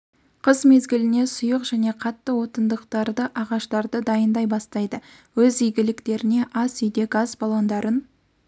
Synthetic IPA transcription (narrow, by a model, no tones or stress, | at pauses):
qʰəzme̞zɡʲɪlɪne̞sʊjəqʒ̥æne̞qʰɑt̪ːəwo̞t̪ənd̪əqt̪ɑɾd̪əʔɑʁɑʃt̪ɑɾd̪əd̪ɑjənd̪ɑjbɑst̪ɑjd̪ə | wɵzijɡʲɪlɪkt̪e̞ɾɪne̞ʔɑsʏjd̪e̞ɡɑzbɑlˠɑnd̪ɑɾən